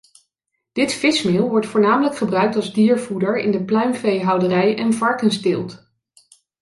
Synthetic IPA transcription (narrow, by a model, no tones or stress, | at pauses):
d̥ɪtfɪsmɪlˠʋɔɹtfʊːɹnaːmələkχəbrœɥk̚tɑlˠzdiːɹvudəɹɪ̰ndəplœɥmvejɦɑwdərɛjʔɛnvɑɹkənstɪlˠt